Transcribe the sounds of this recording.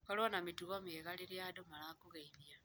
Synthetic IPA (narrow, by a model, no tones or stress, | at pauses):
kalwanamituɣomeɣaliljadomalakuɣeimja